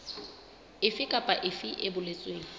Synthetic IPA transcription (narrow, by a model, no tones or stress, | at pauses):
ɪfɪkʼapʼaʔɪfɪʔɪbʊlet͡sʼweːŋ̩